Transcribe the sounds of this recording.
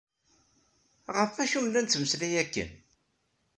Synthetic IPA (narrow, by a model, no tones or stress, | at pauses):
ʁəfæʃumlænt͡s̪ːməslæjækːə̰n